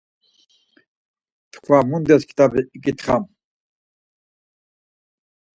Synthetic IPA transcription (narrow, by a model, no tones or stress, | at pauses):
t̪ʰkʰvamund̪ɛskʰi̥t̪abiikʼit̪χam